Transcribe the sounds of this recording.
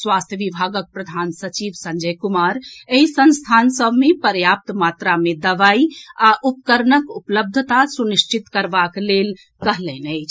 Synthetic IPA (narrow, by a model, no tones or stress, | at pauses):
sʋast̪ʰjəʋibʱaɡək̚pɾəd̪ʱansət͡ʃiʋsə̃ɲd͡ʒəjkumaɾeɦisə̃nst̪ʰansəbʱmepəɾjap̚t̪mat̪ɾamed̪əʋaiaʔupkəɾnəkupləb̚d̪ʱət̪asuniʃt͡ʃit̪kəɾbaklel | kəɦlɛnəjt͡ʃʰ